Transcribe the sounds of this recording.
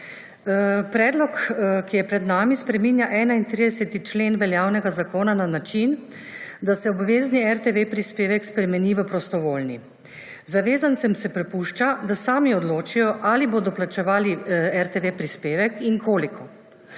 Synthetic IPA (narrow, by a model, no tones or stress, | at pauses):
pɾɛːd̪lɔkkijɛpɾɛd̪naːmispɾɛmiːnjaʔɛːnaint̪ɾid̪ɛsɛt̪it͡ʃleːnʋɛljaːwnɛɡazakoːnananat͡ʃin | d̪asɛɔbʋeːzniɛɾt̪eʋepɾispeːʋɛkspɾɛmɛniːʋəpɾɔst̪ɔʋoːlni | zaʋeːzant̪sɛmsɛpɾɛpuʃt͡ʃad̪asaːmiɔd̪loːt͡ʃijɔʔaliboːd̪ɔplat͡ʃɛʋaːliɛɾt̪eʋepɾispeːʋɛkiŋkʰoːlikʰɔ